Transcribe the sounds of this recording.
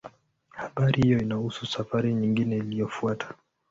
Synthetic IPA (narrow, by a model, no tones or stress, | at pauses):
haɓaɾihijɔinahususafaɾiɲiŋɡinɛilijɔfuatʰḁ